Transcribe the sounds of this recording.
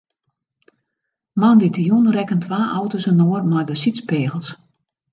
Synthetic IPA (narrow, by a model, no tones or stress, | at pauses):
manditəjunrɛkəntʰʋaːʔɔwtosənoərmajdəsitt͡speːɣəlˠs